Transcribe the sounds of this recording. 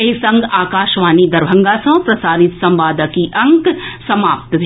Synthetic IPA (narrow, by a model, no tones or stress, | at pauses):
isɐ̃ŋɡaːkaːʃʋaːnid̪ɐɾbʱɐ̃ŋɡasɐ̃pɾɐsaːɾɪt̪sɐ̃mʋaːd̪ʱəkiʔɐ̃ŋksɐmaːp̚t̪bʱ